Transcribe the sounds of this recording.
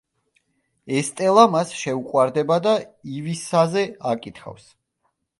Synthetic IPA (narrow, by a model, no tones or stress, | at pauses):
ɛst̪ʼɛlˠamasʃɛuqʼwaɾd̪ɛbad̪aivisazɛakʼit̪ʰχa̰fs